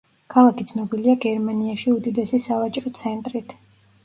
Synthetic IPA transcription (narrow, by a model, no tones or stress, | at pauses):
kʰalˠakʰit̪sʰnɔbiliaɡɛɾmaniaʃiud̪id̪ɛsisavat͡ʃʼɾɔt̪sʰɛnt̪ʼɾit̪ʰ